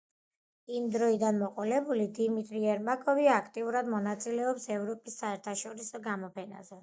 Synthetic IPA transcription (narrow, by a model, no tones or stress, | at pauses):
imd̪ɾɔid̪anmɔqʼɔlɛbulid̪imit̪ʼɾiɛɾmakʼɔviakʰt̪ʼiuɾad̪mɔnat̪sʼilɛɔpsɛvɾɔpʼisːaɛɾt̪ʰaʃɔɾisɔɡamɔpʰɛna̰zɛ